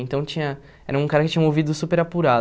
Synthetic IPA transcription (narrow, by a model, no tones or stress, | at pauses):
ẽnt̪ɐ̃w̃t͡ʃĩɲɐ | ɛ̰ɾɐũkaɾɐkɪt͡ʃĩɲɐovid̪ʊsupeɾapuɾa